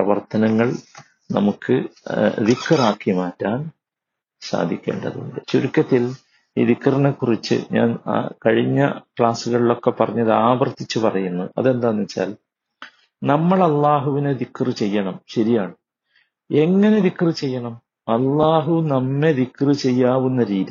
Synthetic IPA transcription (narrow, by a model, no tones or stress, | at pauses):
prɐʋɐrt̪ɐnɐŋːɐɭ | nɐmukʰːɨðikːɐraːkːimaːtːaːn | sa̰ːd̪ʱikʲːe̞̰ːɳɖɐðuo̰ɳɖɨɕuɾukʲːɐt̪ːil | ḭːðikːɐrinekːurit͡ɕːɨ̰ɲa̰ːnkɐɻiɲːɐ̰kɭaːsuɣɐɭilo̞kːe̞pːɐrɐɲːɐðɨaːbɐrt̪ːit͡ɕːupɐrɐjunːuɐ̰ðe̞nd̪aːnːit͡ɕːa̰ːl | nɐmːɐɭɐlːaːɦuʋinɨðikːrɨt͡ɕe̞jːɐɳɐmɕɐɾijaːɳɨ | e̞ŋːɐne̞ðikːrɨt͡ɕe̞jːɐɳɐm | ɐlːaːɦunɐmːe̞ðikːrɨt͡ɕe̞jːaːʋunːɐɾiːði